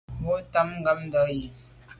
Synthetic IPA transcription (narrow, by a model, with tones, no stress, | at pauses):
bo˦ta˦mŋ˦ɡa˦m˦də˨˦ji˨